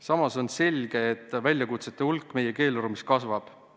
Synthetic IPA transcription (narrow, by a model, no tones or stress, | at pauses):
sɑmɑso̞nse̞lʲɡ̥e̞ːt̪ːˑvælʲjɑkut̪set̪ːˑeulkːˑme̞je̞ke̞ːloɾumiskɑsvɑb̥